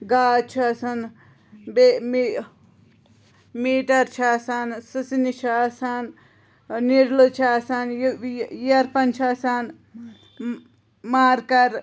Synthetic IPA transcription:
ɡaːt͡ʃʰasɐn | bemi | miːʈɐɾt͡ʃʰasansɨsinit͡ʃʰaːsan | niɾlut͡ʃʰasanjjɐɾpɐnt͡ʃʰaːsan | maːɾkɐɾ

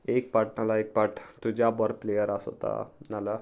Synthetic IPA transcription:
ek̚paʈ̚nalaek̚paʈt̪ud͡ʑabəɾplejəɾaso̰t̪a̰nala

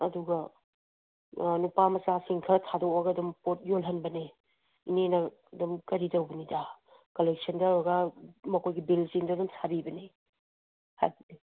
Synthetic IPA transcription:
ɐduɡɐ | nupamɐsasiŋkʰɐtʰadokaɡɐdumpot̚jolɦɐnbɐne | inenɐː | dumkɐɾidɐwbɐnida | kolek̚sɐndɐɾɐɡɐmɐkʰojɡibilsiŋdɐdumsʰabibɐne | ha̰jbɐdi

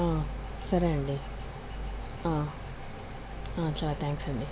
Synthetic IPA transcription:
aː | sɐɾɐɳɖi | ãː | ãːt͡ʃɐlaːt̪ʰãːŋksɐɳɖi

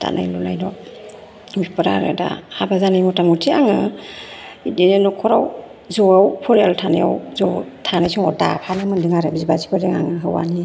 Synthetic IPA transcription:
ta̰nʔa̰jlunajdɔ | bipɔɾa̰ɾḛda̰habazanajmɔtaŋutʰiaŋɯ | idinenɔkʰɔɾaw | zɔawpʰɔɾaltʰanaja̰wzɔtʰanajsuŋɔda̰pʰanɯmɯndiŋaɾabizbasi̥pʰaɾdiŋaŋɯɦɯwa̰ni

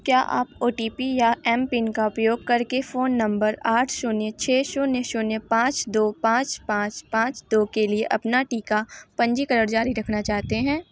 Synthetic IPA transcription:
kjaːʔa̰ːpoːʈiːpijaɛːmpɪnkaʊpjoːɡ̚kɐɾkefoːnːɐ̃mbəɾaːʈʰʃoːnet͡ʃʰɛːʃoneʃoːnepãːt͡ʃd̪oːpãːt͡ʃpãːt͡ʃpãːt͡ʃd̪oːkelieʔɐpnaʈiːkapɐ̃ɲd͡ʒikɐɾəɾd͡ʒaːɾiɾɐkʰnat͡ʃaːɦt̪eɦɛ̃ː

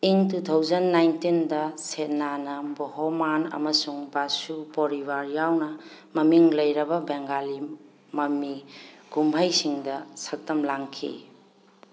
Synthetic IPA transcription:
iŋtutʰawzɐnːajntindɐsetnanɐbohomanɐ̰mɐsuŋbasupoɾibaɾjawnɐmɐmiŋlɐjɾɐbɐbeŋɡali | mɐmiɡ̥umbʱɐjsiŋdɐsɐk̚tɐmlaŋkʰḭ

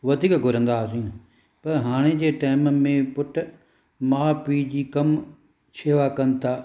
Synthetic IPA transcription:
ʋɐd̪ʱiːkɡʱʊɾə̃nd̪aːsĩ | pɐɾɦaːɽ̃ed͡ʑeːʈaːɪmmẽpʊʈ | maːpiːd͡ʑiːkɐm | t͡ɕʰeːʋakɐn̆t̪ʰaː

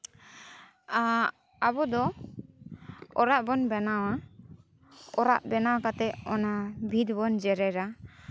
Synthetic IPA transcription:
a | abɔd̪ɔ | ɔɾaʔbɔnbɛnawa | ɔɾa̰ʔbɛnawakat̪ɛʔɔnabʱid̪bɔnd͡ʒɛɾɛɾa

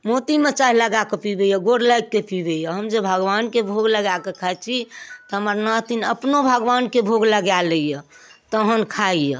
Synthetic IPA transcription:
mot̪imet͡ʃaɦiləɡakepibejəɡoɽlajkːepibejəɦəmd͡ʒəbʱəɡʋankebʱoɡləɡakekʰat͡ʃʰit̪ɔɦəməɾnat̪inəpnobʱəɡʋankebʱoɡləɡjaləijə | t̪əɦənkʰaijə̰

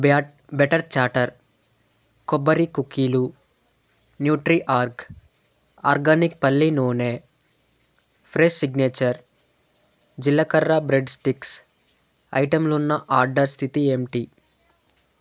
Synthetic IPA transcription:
b | beʈɐɾt͡ʃaːʈɐɾ | kɔbɐɾikukilu | njuːʈɾiʔaːɾk | a̰ːɾɡaːnik̚pɐlːinoːneː | pʰɾeʃsiɡneːt͡ʃɐɾ | d͡ʒilːɐkɐɾːɐbɾeɖsʈiks | ɐ̰jʈɐmlunːɐʔaːɾɖɐɾst̪ʰit̪iemʈi

